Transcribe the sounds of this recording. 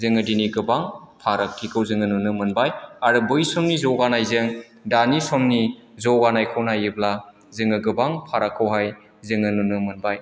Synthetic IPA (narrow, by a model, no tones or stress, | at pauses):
zɯŋɯdiniɡɯbaŋpʰaɾak̚tʰikʰɯwzɯŋɯnunɯmɯnbajaɾɯbɯjsɔmnizɔwɡanajzɯŋ | danisɔmnizɔwɡanajkʰɯwnajibla | zɯŋɯɡɯbaŋpʰaɾakʰːɯwɦaj | zɯŋɯnunɯmɯnbaj